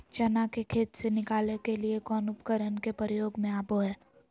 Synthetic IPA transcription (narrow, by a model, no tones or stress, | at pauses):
t͡ʃɐnakekʰeːt̪senɪkaːlekeliekɔːnʊpkəɾənkepəɾjoːɡmẽaːboɦɛː